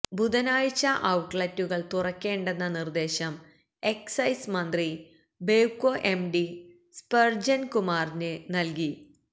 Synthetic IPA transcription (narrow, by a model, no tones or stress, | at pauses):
bud̪ɐnaːjt͡ɕːɐʔɐwʈɭɐtːuɣɐɭt̪urɐkːe̞ːɳɖe̞nːɐnird̪e̞ːɕɐm | e̞ksɐjsmɐnd̪ri | beukːo̞ːʔe̞mɖi | spɐrd͡ʑɐnkumaːrnɨnɐlki